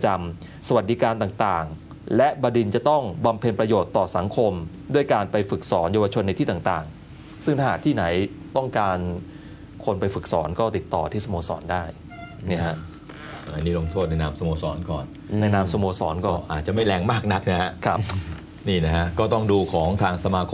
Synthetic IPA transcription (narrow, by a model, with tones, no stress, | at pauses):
t͡ɕa˧m | sa˧wa˨˩t̪̚di˦˧˥kaː˧nt̪aː˨˩ŋt̪aː˨˩ŋ | lɛ˦˥ʔbaː˧di˧nt͡ɕa˨˩t̪ɔ˥˩ŋba˧mpʰe˧npɾa˧joː˨˩t̪ːɔː˨˩sa˩˦ŋkʰo˧m | du˥˩əjkaː˧npa˧jfɯ˨˩k̚sɔː˩˦njaː˧wa˧t͡ɕʰo˧nːa˧jt̪ʰiː˥˩t̪a˨˩ŋt̪aː˨˩ŋ | sɯ˥˩ŋt̪ʰa˥˩aː˨˩t̪ʰiː˥˩na˩˦jt̪ɔ˥˩ŋkaː˧n | kʰo˧npa˧jfɯ˨˩k̚sɔː˩˦nkɔː˥˩t̪i˨˩t̪ːɔː˨˩t̪ʰiː˥˩sa˧moː˧sɔ̰ː˩˦ndaː˥˩j | ni˥˩kʰa˦˥ʔ | a˧˩la̰˧niː˥˩lo˧ŋt̪ʰoː˥˩t̪̚na˧jnaː˧˥msa˧moː˧sɔː˩˦nkɔ̰ː˨˩n | na˧jnaː˧msa˧moː˧sɔː˩˦nkɔː˥˩˥ʔaː˨˩t̪̚t͡ɕa˨˩ma˥˩jlɛː˧ŋmaː˥˩k̚na˦˥k̚na˦˥kʰa˦˥ʔkʰa˦˥p̚ | niː˥˩na˦˥kʰa˦˥kɔː˥˩t̪ɔ˥˩ŋduː˧kʰɔː˩˦ŋt̪ʰaː˧ŋsa˧maː˧kʰ